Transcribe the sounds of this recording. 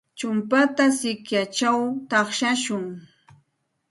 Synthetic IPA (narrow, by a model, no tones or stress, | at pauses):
t͡ʃʊmpat̪asɪkjat͡ʃawt̪ɑχʃaʃʊŋ